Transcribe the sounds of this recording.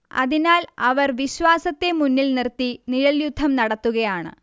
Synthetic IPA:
ɐ̰ðinaːlɐʋɐrʋiɕʋaːsɐt̪ːe̞munːilnirt̪ːiniɻɐljud̪ʱːɐmnɐɽɐt̪ːuɣɐjaːɳɨ̰

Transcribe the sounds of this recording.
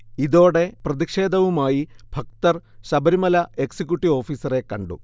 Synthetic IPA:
iðo̞ːɽe̞prɐðikʂe̞ːd̪ɐʋumaːjib̥ʱɐk̚t̪ɐrɕɐbɐɾimɐlɐeksikʲːjuʈːiʋo̞ːfiːsɐre̞kːɐɳɖṵ

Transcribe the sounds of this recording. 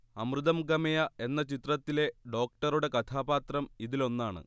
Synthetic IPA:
ɐmrɨðɐmɡɐmɐjɐe̞nːɐt͡ɕit̪rɐt̪ːile̞ɖo̞ːk̚ʈɐruɽe̞kɐt̪ʰaːbaːt̪rɐmiðilo̞nːaːɳɨ̰

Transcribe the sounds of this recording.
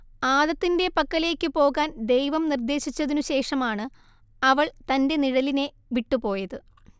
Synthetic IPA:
aːðɐt̪ːinde̞pɐkːɐle̞ːkːɨpo̞ːɣaːnd̪e̞jʋɐmnird̪e̞ːɕit͡ɕːɐðinuɕe̞ːʂɐmaːɳɨ | ɐʋɐɭt̪ɐnde̞niɽɐline̞ | ʋiʈːupo̞ːjɐðɨ

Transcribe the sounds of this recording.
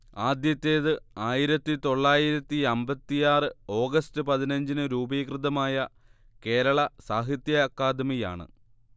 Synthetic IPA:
aːd̪jɐt̪ːe̞ːðɨaːjiɾɐt̪ːit̪o̞ɭːaːjiɾɐt̪ːiɐmbɐt̪ːijaːrɨo̞ːɡɐstɨpɐðinɐɲd͡ʑinɨɾuːbiːkrɨðɐmaːjɐ | ke̞ːɾɐɭɐsaːɦit̪jɐkːaːd̪mija̰ːɳɨ̰

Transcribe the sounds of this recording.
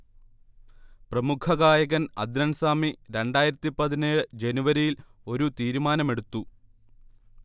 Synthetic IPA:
prɐmukʰɐɣaːjɐɣɐnɐ̰d̪ɾɐnsaːmiɾe̞ɳɖaːjiɾɐt̪ːipɐðineːɭɨd͡ʑe̞nuʋɐɾijilo̞ɾut̪iːɾumaːnɐme̞ɽut̪ːu

